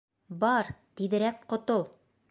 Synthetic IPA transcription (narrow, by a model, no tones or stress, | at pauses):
bɒɾt̪iðɘ̆ɾækqŏt̪olˠ